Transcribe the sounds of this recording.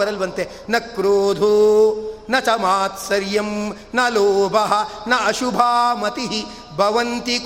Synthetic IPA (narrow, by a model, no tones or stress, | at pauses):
ɐɾɐlʋɐnt̪e | nɐkɾoːd̪ʱu | nɐt͡ʃɐmaːt̪sɐɾjɐm | nɐloːbʱɐɦɐ̆nɐɐʃubʱaːmɐt̪iɦi | bʱɐʋɐnt̪ik